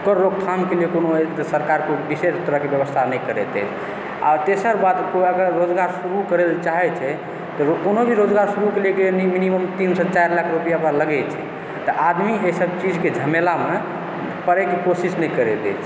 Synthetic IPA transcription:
ukəɾːoɡ̚t̪ʰamkeliekonot̪ɔsəɾkaɾkebisest̪əɾəɦkebjəbəst̪ʰanəjkəɾɛt̪ɛ̰t͡ʃ̪ʰ | a̰t̪esəɾbad̪koəɡəɾːod͡ʒɡaɾsuɾukəɾelt͡ʃaɦɛt͡ʃʰɛ | t̪ɔkonobʱiɾod͡ʒɡaɾsuɾukelekeniminiməmt̪insɔt͡ʃajɾlakʰɾupijapɾaləɡɛt͡ʃʰɛ̰ | t̪ɔʔad̪miejsəbt͡ʃid͡ʒked͡ʒʱəmelame | pəɾɛkekosisnɛjkəɾɛt̪ɛ̰t͡ʃʰ

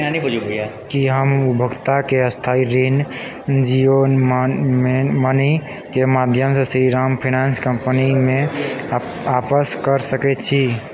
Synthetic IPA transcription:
ɦãnibəd͡ʒuɦoja | kiɦəmubʱəɡt̪akeəst̪ʰaiɾin | d͡ʒionmemənə | kemad̪ʱjəmsesɾiɾampʰinanskəmpənime | apəskəɾsəkɛt͡ʃʰi

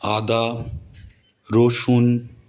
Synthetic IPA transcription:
ad̪a | ɾoʃun

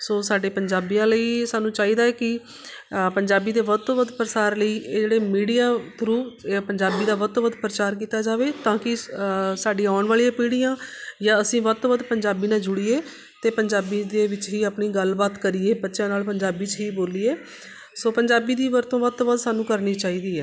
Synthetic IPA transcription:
soːsaːɖeːpəɲd͡ʒaːbijãːləiːsaːnũːt͡ʃaːiːd̪aːɛːkɪ | pəɲd͡ʒaːbiːd̪eːʋət̪õːʋəd̪pɾəsaːɾləiːʔeːd͡ʒeːɽeːmiːɽijaːt̪ʰɾuːpəɲd͡ʒaːbiːd̪aːʋət̪oːʋəd̪pɾət͡ʃaːɾk̬iːt̪aːd͡ʒaːʋeːt̪ãːkɪsaːɖĩːaːɳʋaːɭijãːpiːɽijãːjaːəsĩːʋət̪ːʋəd̪pəɲd͡ʒaːbiːnãːd͡ʒʊɽiːeː | t̪eːpəɲd͡ʒaːbiːd̪eːʋɪt͡ʃɦiːaːpɳiːɡəlbaːt̪kəɾiːeːbətːʃãːnaːlpəɲd͡ʒaːbiːt͡ʃɦiːboːliːeː | soːpəɲd͡ʒaːbiːd̪iːʋəɾt̪õːʋət̪ːʋəd̪saːnũːkəɾniːt͡ʃaːiːd̪iːɛː

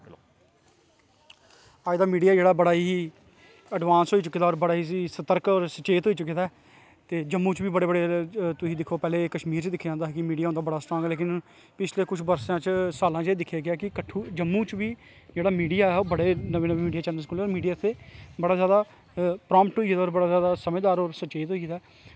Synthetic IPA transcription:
aːjd̪aːmiːɖijaːd͡ʒeːɽaːbəɽaːiː | əɖʋãːnsɦoːiːt͡ʃʊkːiːd̪aːɔːɾbəɽaːɦiːsiːsət̪əɾkɔːɾsət͡ʃeːt̪ɦoːiːt͡ʃʊk̬ːiːd̪aːɦɛː | t̪eːd͡ʒəmːuːt͡ʃʋiːbəɽeːbəɽeːt̪ʊsĩːd̪ɪkʰoːpɛːleːkəʃmiːɾt͡ʃd̪ɪkʰːãːnd̪aːɦɛːkɪmiːɖiaːõnd̪aːbəɽaːsʈɾɔːŋɡleːkɪn | pɪt͡ʃʰleːkʊt͡ʃʰbəɾsãːt͡ʃsaːlãːd͡ʒeːd̪ɪkʰaːɡeaːkɪkəʈʰuːd͡ʒəmːũːt͡ʃʋiː | d͡ʒeːɽaːmiːɖijaːɛːoːbəɽeːnəʋeːnəʋeːmiːɖijaːt͡ʃɛːnɖəlskuːlːɾmiːɖijaːt̪ʰːeːbəɽaːzjaːd̪aː | pɾɔ̃ːmpʈɦoːiːd̪aɔːɾbəɽaːzjaːd̪aːsəmẽːd̪aːɾoːɾsət͡ʃeːt̪ɦoːiːd̪aː

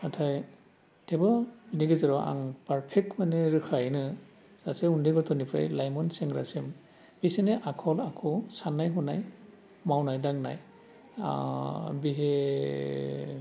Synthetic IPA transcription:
atʰaj | tʰɛbɔbiniɡɯzaɹɔʔa̰ŋpaɹpʰɛk̚tmanɛɹɯkʰajnɯ | sasɛundiɡɔtɔnipʰɾa̰jlajmɔnsɛŋɡɹa̰sim | bisinɛʔakʰɔlakʰɔsanajɦɔnaj | mawnajdaŋna̰j̰ | biɦe

